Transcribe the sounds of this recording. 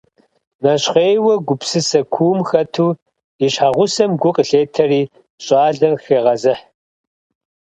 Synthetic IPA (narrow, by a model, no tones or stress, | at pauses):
nɐɕχeːjwɐɡʷʊpsɨsɐkʷʰuːmxɐtʰuː | iɕħaʁʷʊsɐmɡʷʊqʼɬeːtʰɐriː | ɕʼɑːɮɐrxeːʁɐzɨħ